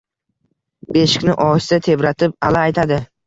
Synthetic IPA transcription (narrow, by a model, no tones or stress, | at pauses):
be̞ʃɪ̥kʲnɪʔɒst̪at̪ʰe̞bɾat̪ʰɪp̚alaːjt̪ʰad̪ɪ